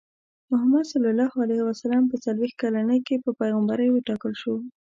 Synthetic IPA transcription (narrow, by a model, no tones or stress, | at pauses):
mʊɦamad̪salɑlɑhalajhwasalɑmpət͡salwext̪̚kalanəjkepəpajɣambaɾəjwəʈɑkəlʃo